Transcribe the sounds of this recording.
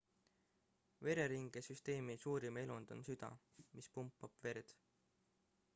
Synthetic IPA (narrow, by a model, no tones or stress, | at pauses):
ve̞ɾe̞ɾiŋɡ̥esyst̪e̞ːmisuːɾime̞lund̪̥o̞̰nsyd̪̥ɑ̰ | mispumpːˑɑb̥ve̞ɾd̪̥